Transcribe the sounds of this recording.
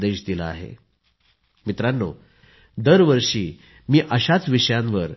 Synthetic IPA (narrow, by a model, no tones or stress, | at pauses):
d̪eɕd̪ilaa̰ɦḛ | mit̪ɾanːo | d̪əɾʋəɾʂiː | miːʔəɕat͡sʋiʂəjãnʋəɾ